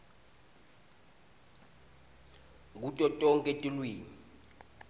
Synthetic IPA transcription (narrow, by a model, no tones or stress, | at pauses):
k̬utʼɔtʼɔŋkʼetʼilwiːni